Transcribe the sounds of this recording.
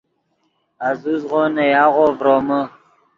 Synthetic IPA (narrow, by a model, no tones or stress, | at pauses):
azuzʁonejɑːʁovɾomə